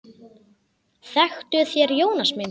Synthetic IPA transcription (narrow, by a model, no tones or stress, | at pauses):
θɛxt̪ʏθjɛɾjoːwnasmen